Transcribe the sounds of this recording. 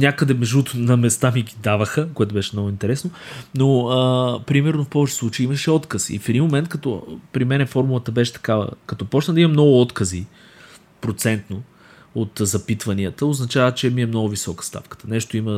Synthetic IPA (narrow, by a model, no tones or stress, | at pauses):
nʲakəd̪ɛmɛʒut̪ʊnɐmɛst̪amiɡid̪avəxəkoɛt̪ʊbɛʃɛmnɔɡʊint̪ɛɾɛsnonoəpɾimɛɾnofpɔvɛt͡ʃɛ̥slˠut͡ʃeiiməʃɛɔt̪kəsḭfɛd̪inmomɛnt̪kɐt̪ɔpɾimɛnɛfɔɾmulˠət̪əbɛʃɛ̥t̪ɐ̥kavə̰kɐt̪ɔpɔt͡ʃnəd̪ɐimɐmnɔɡʊɔt̪kəzi | pɾot̪sɛnt̪no | ot̪zɐpit̪vɐniət̪əoznɐt͡ʃavət͡ʃɛmiɛmnɔɡʊvisɔkə̥st̪a̰fkə̥t̪ə̥nɛʃt̪oimə